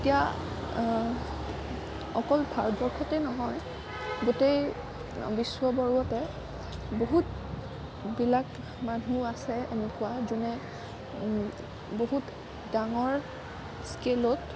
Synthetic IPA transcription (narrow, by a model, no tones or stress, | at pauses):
etija | ɔkɔlbʱaɹbɔɹkʰɔtɛnɔɦɔj | ɡutej | biswɔbɔɹɔtɛ | boɦut | bilak | manʱuasɛenekuwazunɛ | boɦut | daŋɔɹ | skelɔt